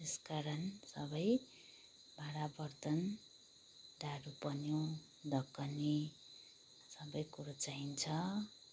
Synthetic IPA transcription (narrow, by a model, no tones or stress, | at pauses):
t̪eskaɾʌnsʌbʌj | bʱaɾabʌrt̪ʌn | d̪aɾupʌnjo | d̪ʌkːʌni | sʌbʌjkuɾat͡saint͡sʰʌ